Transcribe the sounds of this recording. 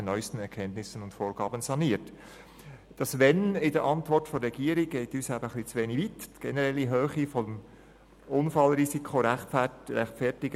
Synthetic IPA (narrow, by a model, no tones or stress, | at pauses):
ənœʏstən̩ɛɾkʰɛntnɪsənʊntfoːɾɡ̥ɑːbənsɑniəɾt | d̥ɑsʋɛnɪdəɾʔɑntvɔɾtfoɾɾɛɡ̥iːəɾiɡ̥ɛɪtyːsæb̥əəχlit͡sʋeːnivitɡ̥ɛnəɾɛlːiɦøːχifɔm | ʊnfɑlɾisikʰoɾ | ɛχtfɛtɪɡ